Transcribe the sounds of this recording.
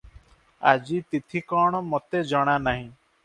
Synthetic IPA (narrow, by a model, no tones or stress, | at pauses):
a̰d͡ʒit̪it̪ʰikɔːɽ̃ɔmot̪ed͡ʒɔɽ̃anaɦĩ